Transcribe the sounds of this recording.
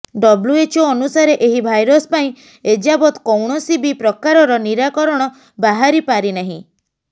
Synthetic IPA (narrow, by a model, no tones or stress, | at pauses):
ɖɔbluet͡ʃʰoɔnusaɾeʔeɦibʱajɾɔspaĩ | ed͡ʒabɔt̪kɔwɳ̃ɔsibipɾɔkaɾɔɾɔniɾakɔɾɔɽ̃ɔ | baɦaɾipaɾinaɦĩ